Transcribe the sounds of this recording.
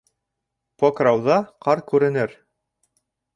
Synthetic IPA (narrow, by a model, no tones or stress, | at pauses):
pokrɑwðɑqɑɾkʉɾɘ̆nɘɾ